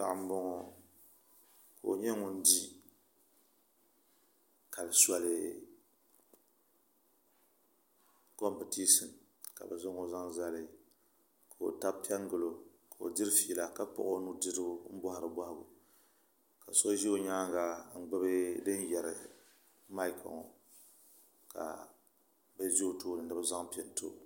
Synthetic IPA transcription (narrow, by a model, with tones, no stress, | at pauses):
ta̰˨ʔm̩˦bɔ˦ŋɔ˨ | ka˨o̰˨ɲɛ˦ŋʊ˦n̩˦di˦ | ka˨lɨ˨swa˨lɨ˨ | kɔ˦m˦pɨ˨ti˦sɨ˨n | ka̰˨bɛ˨zʊ˦ŋo˨za˦ŋza˦lɪ˨ | ka˨o̰˨ta˦pɛ˦ŋɡɨ˨lo˨ | ka˨o̰˨dɨ˦ɾfiː˨la˨ka˦pɔ̰˨ʔo˦nu˦dɨ˦dɨ˦ʊ˦m̩˦bɔ˦ha˨ɾɨ˨ba˦hɪ˦bṵ˨ | ka˨so˦ʒi˦o˨ɲaː˦ŋɡa˦ŋ̩˨ɡ͡bɨ˦bɨ˦dɨ˦n˦jɛ˨ɾɪ̰˨ | ma˦ɪ˦kʰa̰˨ŋo̰˨ | ka̰˨ | bɛ˦zi˦o˨toː˦nɨ˨nɨ˦bɨ˦za˦ŋpi˨˦ɛ˨n˨tʰo̰˦